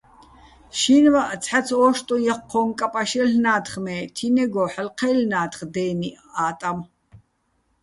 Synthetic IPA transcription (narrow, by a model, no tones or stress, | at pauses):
ʃiːnvaʔt͡sʰħat͡sʰɔːʃt̪ʼɔjaχqʰːɔːŋkʼapʼaʃɛɬnaːt̪ʰχmɛːt̪ʰinɛɡɔħəlqʰɛːlnaːt̪χd̪ɛːniaːt̪ʼam